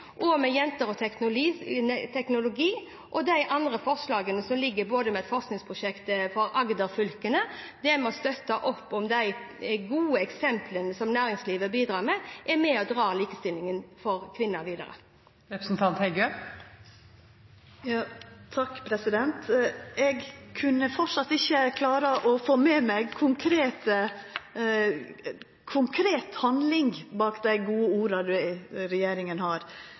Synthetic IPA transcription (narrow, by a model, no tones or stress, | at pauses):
ʔɔmɛjɛnt̪əɾɔt̪ʰɛknʊ | t̪ʰɛknʊlʊɡiː | ʔɔd̪æɪʔɑnd̪ɾəfɔʁʂlɑːɡənəsɔmlɪɡːəboːd̪əmɛɛt̪fɔʁsknɪŋspʰʁʊʃɛkt̪fɔɾɑɡd̪əɾfʏlkənəd̪ɛmɛɔst̪œt̪ːɑʔɔpːɔmd̪æɪɡuːəɛksɛmpʰlənəsɔmnæːɾɪŋsliːʋəbiːd̪ɾɑːmɛʔɛɾmɛɔd̪ɾɑːliːkəst̪ɪlɪŋənfɔɾkʰʋɪnːəɾʋiːd̪ə̰ɾə̰ | ɾɛpɾəsn̩t̪ʰɑnt̪hɛɪɡø | jɑːt̪ʰɑkːpʰɾɛsɪd̪ɛnt̪ɛɡkʰʉnːəfɔʂɑt̪ːɪçːəkʰlɑːɾəʔɔfoːmeːmæɡkʰʊŋkʰɾeːt̪ə | kʰʊŋkʰɾeːt̪hɑnd̪lɪŋbɑːkd̪æɪɡuːəuːɾɑd̪ʉɪɾɛjeːɾɪŋənhɑɾ